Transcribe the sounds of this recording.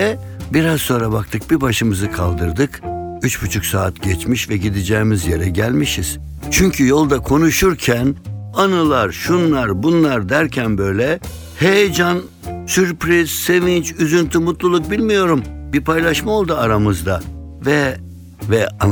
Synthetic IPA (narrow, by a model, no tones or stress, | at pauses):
ɛbiɾazso̞nɾabakt̪ʰɯk̚biɾbaʃɯmɯzɯkʰa̰lˠd̪ɯɾd̪ɯkyt͡ʃbut͡ʃʰuksaːt̪ɟɛt͡ʃmiʃvɛɟid̪id͡ʒɛːmizjeɾɛɟælʲmiʃiz̥ | t͡ʃʰyɲcʰyjo̞lˠd̪akʰo̞nuʃuɾcʰænanɯlˠaɾʃunlˠaɾbunlˠaɾd̪æɾcʰænbø̞jlʲɛ | hejd͡ʒan | syɾpɾiz̥se̞vint͡ʃyzynt̪ʰymut̪lˠulˠuk̚bilʲmijo̞ɾumbiɾpʰajlˠaʃmao̞lˠd̪uaɾamɯzd̪a | vɛ | vɛa